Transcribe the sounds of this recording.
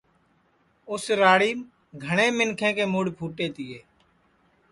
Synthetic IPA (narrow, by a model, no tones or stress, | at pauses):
ʊsɾaːɽiːm | ɡʱəɳeːmɪnkʰẽːkeːmuːɽpʰuːʈeːt̪ɪːeː